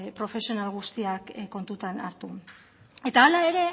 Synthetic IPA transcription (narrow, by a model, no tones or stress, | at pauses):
pɾo̞fe̞sio̞nalɣ̞ust̪iakkːo̞nt̪ut̪anaɾt̪u | e̞t̪aːlae̞ɾe̞